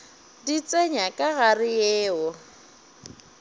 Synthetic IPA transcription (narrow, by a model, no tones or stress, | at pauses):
dit͡sʼeɲakʼaɣarɪjɛːɔ